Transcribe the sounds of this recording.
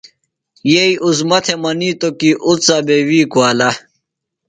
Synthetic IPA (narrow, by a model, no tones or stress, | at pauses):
jeiʔuzmɐt̪ʰemɐniːt̪okiʔutt͡sabewiːkuala